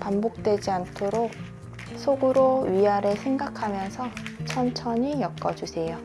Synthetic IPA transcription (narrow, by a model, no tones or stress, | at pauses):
pambok̚t͈we̞d͡ʑiantʰoɾok̚ | sʰoɡɯɾoɥiaɾɯɭsʰe̞ŋɡakʰamjʌnsʰʌt͡ɕʰʌnt͡ɕʰʌɲijʌk͈ʌd͡ʑusʰe̞jo